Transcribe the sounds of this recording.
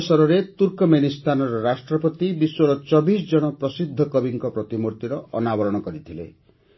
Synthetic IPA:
sɔɾɔɾet̪uɾkɔmenist̪ʰanɔɾɔɾasʈɾɔpɔt̪ibiswɔɭɔt͡ʃɔbis̬d͡ʒɔɽ̃ɔpɾɔsid̪ʱːɔkɔbiŋkɔpɾɔt̪imuɾt̪iɾɔɔ̰nabɔɾɔɽ̃ɔkɔɾit̪ʰilḛ

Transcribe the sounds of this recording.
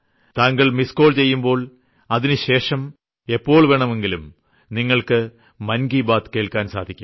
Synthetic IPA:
t̪aːŋɡɐɭmisko̞ːɭt͡ɕe̞jːumbo̞ːɭ | ɐðinɨɕe̞ːʂɐm | e̞pːo̞ːɭʋe̞ːɳɐme̞ŋɡilum | niŋːɐɭkɨ | mɐnɡiːbaːt̪ke̞ːɭkaːnsa̰ːd̪ʱikʲːum

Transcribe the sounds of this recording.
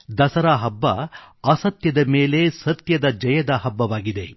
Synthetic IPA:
d̪ɐsɐɾaːɦɐbːɐ̰ɐsɐt̪jɐd̪ɐmeːle̞sɐt̪jɐd̪ɐd͡ʒɐjɐd̪ɐɦɐbːɐʋaːɡid̪e̞

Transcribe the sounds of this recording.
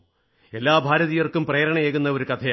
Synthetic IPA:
elːaːbʱaːɾɐðijɐrkumpreːɾɐɳɐjeːɣunːɐo̞ɾukɐt̪ʰɐ

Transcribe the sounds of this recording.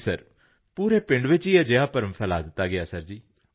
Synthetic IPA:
səɾ | puːɾeːpɪ̃ɳɖʋɪt͡ʃiːɛːd͡ʒeaːpəɾəmpʰɛːlaːd̪ɪt̪ːaːɡɪaːsəɾd͡ʒiː

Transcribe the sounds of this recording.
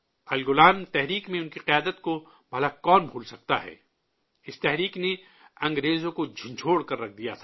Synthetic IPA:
ɐlɡʊlaːnt̪ɛɦɾiːkmẽʊnkiqɪjaːd̪ət̪ko | bʱɐlakɔːnbʱuːlsɐk̚t̪a̰ɦɛ̰ː | ɪst̪ɛɦɾiːkne | ɐ̃ŋɡɾeːzõkod͡ʒʱɪ̃nd͡ʒʱʰoːɽkɐɾːɐk̚ʰd̪ijat̪ʰː

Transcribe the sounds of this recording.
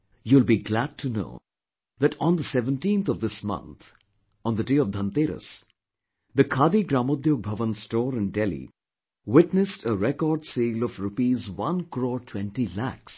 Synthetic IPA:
julˠbiɡlæd̚tʰuno̰ʊ | ðætɔ̃nd̪əsɛvə̃ntĩnt̪ʰɔvd̪ɪsmʌ̰̃nt̪ | ɔ̃nd̪ədeːɔvd̪ʱə̃nt̪eɾə̰s | d̪əkʰaːd̪iɡɾamod̪joɡ̚bʱʌʋə̃nsʈɔːɾɨ̃nɖɛlḭ | wɪtnɨsʈʰəɾɛkɔɾɖsilɔfɾupizwʌ̃nkɾɔːtʰwɛ̃nʈilæ̰ks

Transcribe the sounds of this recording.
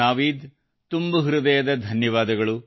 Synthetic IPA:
aːʋiːd̪ | t̪umbɐɦɾud̪ɐjɐd̪ɐd̪ʱɐnjɐʋaːd̪ɐɡɐɭu

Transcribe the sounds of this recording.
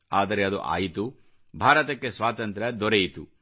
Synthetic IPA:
aːd̪ɐɾeɐd̪ṵʔa̰ːjit̪u | bʱaːɾɐt̪ɐkːesʋaːt̪ɐnt̪ɾɐd̪ɔɾejit̪u

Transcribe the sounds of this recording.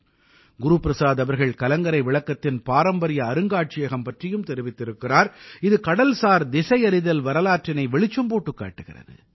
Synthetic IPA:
ɡʊɾupɪɾɐsaːðɐʋɐɾɣɐɭkɐlɐŋɡɐɾɐɪʋɪɭɐkːɐt̪ːɪnpaːɾɐmbɐɾɪjɐːɾɯŋɡaːʈ̚t͡ʃɪjɐɣɐmpɐʈrɪjɯmt̪ɛɾɪʋɪt̪ːɪɾɯkːɪraːɾɪðɯkɐɽɐlsaːɾd̪ɪsɐɪɐɾɪðɐlʋɐɾɐlaːʈrɪnɐɪʋɛɭɪt͡ʃːɯmpoːʈːɯkːa̰ːʈːɯɣɪ̰rɐ̰ðɯ̰

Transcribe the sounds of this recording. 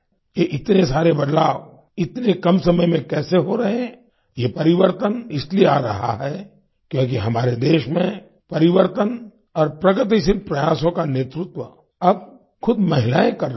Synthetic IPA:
jeʔɪt̪nesaːɾebɐd̪laːʋ | ɪt̪nekɐmsɐməjmẽkɛːseɦoɾɐɦeɦɛ̃ | jepɐɾɪʋəɾt̪ənɪslieaːɾɐ̰ɦa̰ɦɛː | kjõːk̬iɦɐmaːɾed̪eːʃmẽ | pɐɾɪʋəɾt̪ən | ɔːɾpɾɐɡət̪̬isɪt̪̚pɾɐjaːsõkaneːt̪ɾʊt̪wə | ɐb̚ | xʊd̪mɐɦɪlaːẽkɐɾ

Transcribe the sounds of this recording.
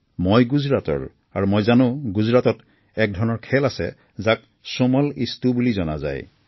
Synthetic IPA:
mojɡuzɹatɔ̰ɹ | aɹumojzanʊ̃ɡuzɹatɔt | ɛk̚dʱɔɹnɔɹkʰɛlasɛ̰ | zak̚ | somɔlistubulizɔna̰za̰j

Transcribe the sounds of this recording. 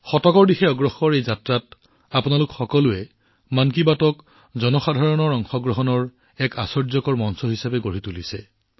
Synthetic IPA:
xɔtɔkɔɹdixɛɔɡɹɔxɔɹejzatɹat | apʊnalʊkxɔkɔluɛ | mankibatɔk | zɔnɔxadʱaɹɔnɔɹɔŋxɔɡɹɔɦɔnɔɹ | ɛka̰sɔɹzɔkɔɹmɔnsɔɦisabɛɡoɹitulisɛ̰

